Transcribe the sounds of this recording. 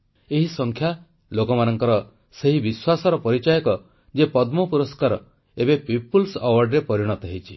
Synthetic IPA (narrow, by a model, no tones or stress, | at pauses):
eɦisɔŋkʰja | lokɔmanɔŋkɔɾɔ | seɦibiswasɔɾɔpɔɾit͡ʃajɔkɔ | d͡ʒepɔd̪mɔpuɾɔskaɾɔ̰ | ebepipulsɔwaɾɖɾepɔɾiɽ̃ɔt̪ɔɦit͡ʃʰi